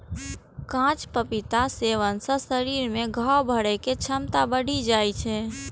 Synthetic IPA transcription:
kãt͡ʃpəpit̪aseʋənsə̃səɾiɾmẽɡʱawbʱəɽɛket͡ʃʰəmt̪abəɽʱid͡ʒajt͡ʃʰɛ

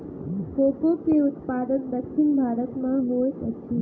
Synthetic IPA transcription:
koːkokeʊt̪̚paːd̪ənd̪əkʃʰɪnbʱaːɾət̪mãɦoːetəkʰi

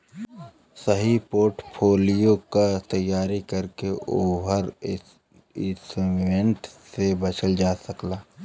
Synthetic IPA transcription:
səɦipoːɾʈpʰoːlijokat̪ɐjːaːɾikɐɾkeʔoːɦəɾ | ɪsʋẽnʈsebɐt͡ʃʰəld͡ʒaːsɐklaː

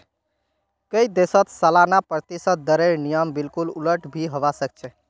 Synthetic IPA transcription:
kəjd̪esət̪səlanapɾət̪isət̪̚d̪əɾeɾnijəmbilkululəʈbʱiɦoβasək̚t͡ʃʰɛ

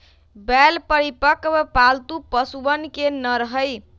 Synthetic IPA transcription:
bɛlpəɾipəkbpalt̪upəsubənkenʌɾəɦəj

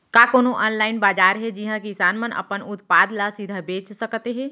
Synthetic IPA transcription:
kaːkoːnoʔɔːnlaːɪnbaːd͡ʒaːɾɦɛd͡ʒiɦãkisaːnmənʔə̰pənʊt̪paːd̪lasid̪ʱabeːt͡ʃsəkt̪eɦɛ̃ː

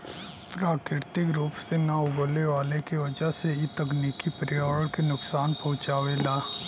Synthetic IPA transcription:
pɾaːkɪɾt̪ɪkɾuːpsenaʊɡoleʋaːlekiʋɐd͡ʒəɦseit̪ɐkniːkipɾɪjaːəɭkenʊksaːnpɐɦʊ̃t͡ʃaːʋelaː

